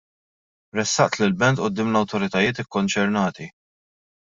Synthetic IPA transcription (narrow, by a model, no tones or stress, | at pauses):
ɾɛsːɐʔt̪lɪlbɛnt̪ʔʊd̪ːɪːmlɐwt̪ɔɾɪt̪ɐjɪːt̪ɪkːɔnt͡ʃɛɾnɐːt̪i